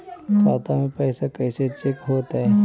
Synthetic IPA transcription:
k̪aːt̪amẽpɛːsakɛːset͡ʃɪkɦoːt̪aɦɛː

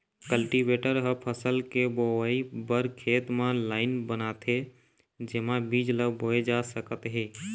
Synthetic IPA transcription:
kəlʈibeʈəɾɦəpʰəsəlkeboibəɾkʰeːt̪mãlaːɪnbənat̪ʰe | d͡ʒemãbid͡ʒləboed͡ʒasəkət̪ɦeː

